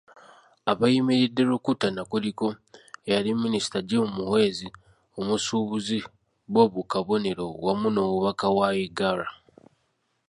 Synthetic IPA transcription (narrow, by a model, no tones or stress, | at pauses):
aβajimiɾideɾukutanakuliko̞jaliminisi̥taɟemumuhwe̞ːzi | omusuβuzi | βwo̞βukaβo̞ne̞ɾo̞wamuno̞muβakawajiɡaɾa